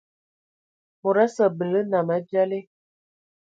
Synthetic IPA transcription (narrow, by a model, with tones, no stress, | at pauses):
mo˨ɾa˦sə˨bə˨lə˦na˨mə˦d͡ʒa˦le˦